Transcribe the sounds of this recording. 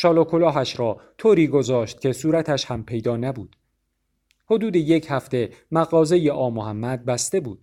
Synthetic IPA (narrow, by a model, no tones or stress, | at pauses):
ʃɒːlokʰolɒːɦæʃɾɒːt̪ʰoːɾiːɡo̞zɒːʃt̪̚cʰʲe̞suːɾæt̪ʰæʃhæmpʰe̞jd̪ɒːnæbuːd̪̥ | ho̞d̪uːd̪e̞je̞cʰhæft̪e̞mæɣɒːze̞je̞ʔɒːmohæmːæd̪̚bæst̪e̞buːd̪̥